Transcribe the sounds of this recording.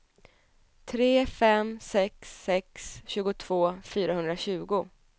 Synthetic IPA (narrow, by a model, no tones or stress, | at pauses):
t̪ʰɾeːfɛmsɛksːɛksɕʉ̟ːɡʊt̪ʰv̥oːfyːɾahɵnd̪ɾaɕʉ̟ːɡʊ